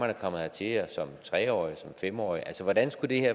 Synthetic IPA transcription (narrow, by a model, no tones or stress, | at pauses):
ænəkʰɒ̽mð̩ˠt͡sʰe̝heɐsɒ̽mt͡sʰʁɛːɒ̰ːisɒ̽mfem̰ɒ̰ːiʔælsəʋɒd̥ænsɡ̥ud̥e̝heɐ̰